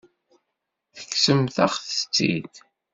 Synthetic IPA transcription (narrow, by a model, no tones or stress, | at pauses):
θə̥kːsəmθaχθə̥t͡sːḭd̪